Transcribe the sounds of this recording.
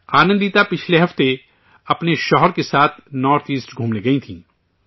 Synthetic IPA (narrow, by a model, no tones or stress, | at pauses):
xaːnə̃nd̪iːt̪apɪt͡ʃʰleɦɐft̪e | ɐpneʃɔːɦəɾkesaːt̪ʰnɔːɾt̪ʰiːsʈɡʱũːmleɡɐĩt̪ʰḭ̃ː